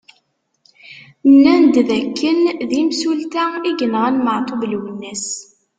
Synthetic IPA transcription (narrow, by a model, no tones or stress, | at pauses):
nːænd̪ðækːənðimsult̪æiʝənʁænməʕt̪ˤovlwənːæs